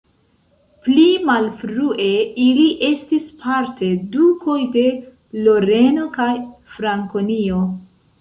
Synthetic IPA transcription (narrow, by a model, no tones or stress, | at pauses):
plimalfɾuʔe̞iliʔe̞stispʰaɾte̞dukʰo̞jde̞ | lo̞ɾe̞no̞kajfɾaŋkonio̞